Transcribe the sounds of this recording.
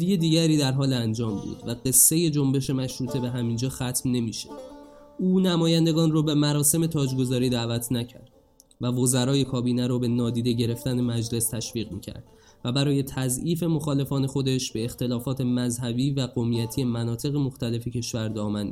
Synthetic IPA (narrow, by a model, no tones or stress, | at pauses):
d̪ije̞d̪iːɟæɾiːd̪æɾɦɒːlænd͡ʒɒːmbṵːd̪væɢe̞sːe̞je̞d͡ʒo̞mbe̞ʃe̞mæʃɾuːt̪ʰe̞be̞ɦæmind͡ʒɒːxæt̪ʰmne̞miːʃe | uːnæmɒːjænd̪e̞ɡɒːnrobe̞mæɾɒːse̞me̞t̪ʰɒːd͡ʒɡo̞zɒːɾiːd̪æːvæt̪ʰnæcʰæ̰ɾd̪̥ | vævo̞zæɾɒːje̞kʰɒːbiːnæɾobe̞nɒːd̪iːd̪e̞ɟe̞ɾe̞ft̪ænemæd͡ʒle̞st̪ʰæʃviːɣmḭːcʰæ̰ɾd̪̥ | væbæɾɒːje̞t̪ʰæziːfe̞mo̞xɒːle̞fɒːne̞xo̞d̪e̞ʃbe̞ːxt̪e̞lɒːfɒːt̪ʰe̞mæzɦæbiːvæɡo̞mijæt̪ʰijemænɒːt̪ʰe̞ɣemoxt̪æle̞fecʰe̞ʃvæɾd̪ɒːmæn